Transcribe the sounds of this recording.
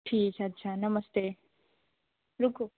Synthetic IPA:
ʈʰiːk̚t͡ʃʰɐt̪ːt͡ʃʰanɐməst̪e | ɾuku

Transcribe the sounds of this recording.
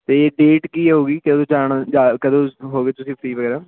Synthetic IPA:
t̪eːeːɖeːʈkiːɛɦoːɡiːkəd̪õːd͡ʒaːɳad͡ʒaːkəd̪õːɦoːɡeːt̪ʊsĩːpʰɾiːʋəɡɛːɾaː

